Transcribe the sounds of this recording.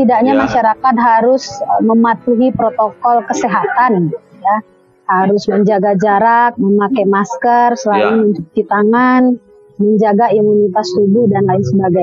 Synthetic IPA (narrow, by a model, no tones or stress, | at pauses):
t̪idaʔɲamaʃaɾakat̪̚ɦaɾʊsməmat̪uɦipɾot̪okɔlkəseɦat̪anit̪u | ja | haɾʊsməɲd͡ʒaɡad͡ʒaɾak̚məmakɛmaskərsəlaɪnməɲt͡ʃuk̚t̪it̪aŋan | məɲd͡ʒaɡaimunit̪ast̪ubʊhdanlaɪnsəbaɡaj